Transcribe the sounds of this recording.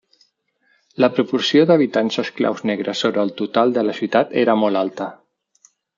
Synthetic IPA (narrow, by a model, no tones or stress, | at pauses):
ləpɾupuɾsioðəβit̪ansəskla̰wznɛɣɾəsoβɾəːlˠt̪ut̪alˠd̪ələsjut̪at̪ḛɾəmɔlalˠt̪ə